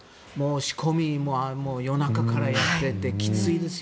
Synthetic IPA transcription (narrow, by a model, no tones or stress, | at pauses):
moɕi̥kʰo̞mʲimoːamoːjo̞nakakaɾajat̪ːe̞t̪ːe̞kʲi̥t͡sɨid̪e̞s